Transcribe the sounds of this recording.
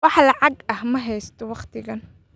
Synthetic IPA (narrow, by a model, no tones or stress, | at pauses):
wɑħlɑʕɑɡɐhmɐɦɛjst̪ʰɔwɑqt̪ʰɪɣɐn